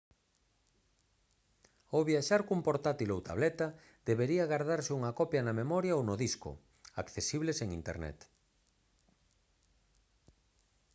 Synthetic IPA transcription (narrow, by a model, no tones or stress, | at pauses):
owβjaʃaɾkumpoɾt̪at̪ilowt̪a̰β̞lɛt̪a | d̪eβeɾiaɣaɾð̞aɾsɪuŋakɔpjɐnamemɔɾjaownoðiskʊ̰ | akθesiβleseŋint̪ḛɾnɛ̰t̪